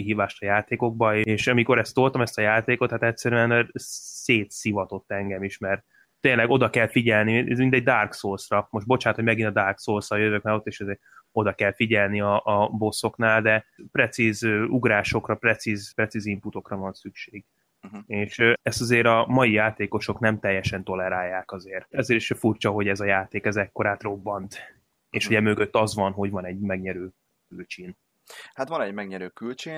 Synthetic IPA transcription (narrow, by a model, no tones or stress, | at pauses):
iɦiːvaːʃt̪ɒjaːt̪eːko̞ɡ̚bɒeeːʃɒmiko̞ɾɛst̪olt̪ɒmɛst̪ɒjaːt̪eːko̞t̪hat̪ɛt̪ʲsɛɾyɛnseːt̪sivɒt̪o̞t̪ːɛŋɡɛmiʃmɛrt̪ | t̪eːnlɛɡo̞d̪ɒkɛlfiɟɛlniɛ̰zmint̪ɛɟ̚d̪aːrksoːlsrɒmo̞ʃt̪bo̞t͡ʃaːnt̪homɛɡinɒd̪aːrksoːlsɒjøvøk̚malo̞t̪ːeːʃɛzeːɾ | o̞d̪ɒkɛlfiɟɛlniɒʔːbo̞sːo̞knaːld̪ɛprɛt̪sizøuɡɾaːʃo̞krɒprɛt̪sizprɛt̪siːzimput̪o̞krɒvɒnsykʃeːɡ | eːʃɛst̪ɒzeːɾɒmɒjijaːt̪eːko̞ʃo̞knɛmt̪ɛjːɛʃɛnt̪o̞lɛɾaːjːaːkɒzeːrɛzeːɾeʃfurt͡ʃɒɦo̞ɟɛzɒjaːt̪eːkɛzɛkːo̞ɾaːt̪ro̞bːɒnt̪ | eːʃuɟɛmø̞ɡø̞t̪ːɒzʋɒnɦo̞ɟvɒnɛɟmɛɡɲɛɾøː | kylt͡ʃin | hat̪ʋɒnɛɟmɛɡɲɛɾøːkylt͡ʃiː